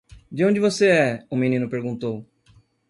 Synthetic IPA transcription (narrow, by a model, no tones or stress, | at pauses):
d͡ʒɪõnd͡ʒɪvoseɛʊmĩnĩnʊpeɾɡũt̪ow